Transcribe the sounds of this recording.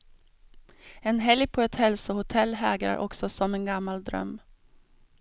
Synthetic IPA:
ɛnɦɛljpʰɔɛt̪hɛlsəhʊt̪ʰɛlːɦɛːɡɾa̰ɾʔɔ̰ksɔsɔmɛnɡamːald̪ɾœ̰mː

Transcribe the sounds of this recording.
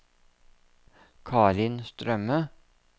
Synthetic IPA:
kʰɑːɾɪnst̪ɾœmə

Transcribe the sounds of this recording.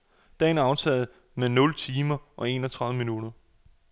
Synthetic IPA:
d̥ɛ̰ːnæɐɑ̈ʊt͡sʰɛ̰ːð̩ˠ | menɔ̽lt͡sʰiːmɐʔɒ̽e̝̰ːnɒ̽t͡sʰʁɑ̈ðð̩ˠəminuɾ̥ɐ

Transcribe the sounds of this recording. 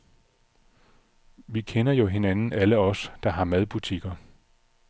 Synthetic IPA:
ʋikʰenɐjo̝ɦe̝nænn̩æləɒ̽sd̥ɑ̈ɦɑ̈mæðˠb̥ut͡sʰiɡ̥ɐ

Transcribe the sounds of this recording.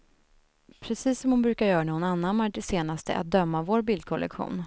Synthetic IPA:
pʰɾɛsiːsːɔmhʊnbɾʉ̟ːkaɾjœːɾanɛhʊnanːanmaʈɪseːnast̪ə̰ʔa̰t̪̚d̪œmːavoːɾbɪld̪̚kʰɔlʔɛ̰kɧṵːn

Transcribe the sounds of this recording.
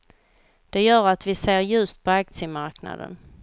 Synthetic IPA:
d̪̥ɛjœːɾat̪vɪseːɾjɵst̪̚pʰɔak̚t̪sɪəmaɾkna̰d̪ə̰n

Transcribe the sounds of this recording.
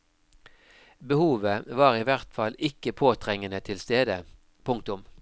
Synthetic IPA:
bəhuːʋəʋɑːʁiːʋæʁt̪fɑlɪkəpʰoːt̪ʰʁɛŋənət̪ʰɪlst̪eːd̪ə | pʰʊŋk̚t̪ʊm

